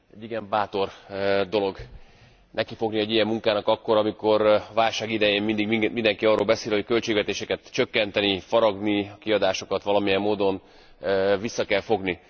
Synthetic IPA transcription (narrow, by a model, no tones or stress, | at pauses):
ɛɟːiɡɛmbaːt̪o̞rd̪o̞lo̞ɡ | nɛkifo̞ɡniɛɟijɛmːuŋkaːnɒkɒkːo̞ɾɒmiko̞ɾɒvaːlʃaːɡid̪ɛjeːmmind̪iɡmimind̪ɛŋkiɒrːoːlbɛseːlho̞ckø̞lt͡ʃeːɡʋɛt̪eːʃɛkɛt̪t͡ʃø̞kːɛnt̪ɛnifɒɾɒɡniɒkiɒd̪aːʃo̞kɒt̪ʋɒlɒmijɛmːoːd̪o̞n | visːɒkɛlfo̞ɡni